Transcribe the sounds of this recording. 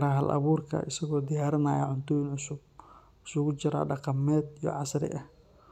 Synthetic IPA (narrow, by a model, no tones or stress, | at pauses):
ɾaːɦɐlʔɐ̰βuːrkʰɐ̰ʔɪsɐɣɔːd̪ɪjaːɾɪnaːjɐ̰ʕʊnt̪ʰɔjɪnʕʊsʊb̚ | ʊsʊɣʊt͡ʃɪɾa̰ːɖɑqɑmɛːd̪ijɔ̰ʕɑsɾɪ̰ʔɐh